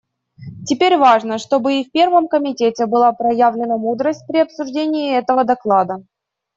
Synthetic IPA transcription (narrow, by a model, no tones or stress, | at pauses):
tʲɪpʲeɾʲvaʐnəʂt̪o̞bɨifʲpʲe̞rvəmkəmʲɪtʲetʲɪbɨlˠapɾɐjavlʲɪnəmud̪ɾəsʲt̚ʲpɾʲɪɐpsʊʐdʲenʲɪːɛt̪əvəd̪ɐklˠad̪ə